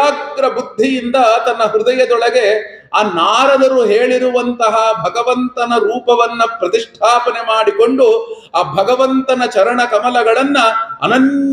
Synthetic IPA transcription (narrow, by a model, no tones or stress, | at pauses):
aːɡɾɐbud̪ʱːijind̪ɐt̪ɐnːɐɦɾud̪ɐjɐd̪ɔɭɐɡe̞ | aːnaːɾɐd̪ɐɾuɦeːɭiɾuʋɐnt̪ɐɦɐbʱɐɡɐʋɐnt̪ɐnɐɾuːpɐʋɐnːɐpɾɐt̪iʂʈʰaːpɐnemaːɽiko̞ɳɖu | aːbʱɐɡɐʋɐnt̪ɐnɐt͡ʃɐɾɐɳɐkɐmɐlɐɡɐɭɐnːɐɐ̰nɐɲ